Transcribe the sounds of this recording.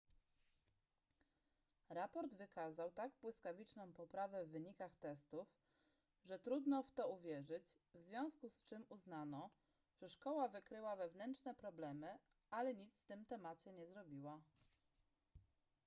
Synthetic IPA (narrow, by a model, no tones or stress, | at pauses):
ɾapɔɾd̪vɘkazawt̪aɡbwɘskavʲit͡ʂnɔ̃w̃pɔpɾavɛvːɘɲikaxt̪ɛst̪uf | ʐɛt̪ɾud̪nɔft̪ɔuvʲjɛʐɘd͡ʑ | vzvʲjɔ̃w̃skust͡ʂɘmuznanɔ | ʐ̥ɛʂkɔwavɘkɾɘwavɛvnɛntt͡ʂnɛpɾɔblɛmɘ | alɛɲit̪sft̪ɘmt̪ɛmat͡ɕɛɲɛzɾɔbʲiwa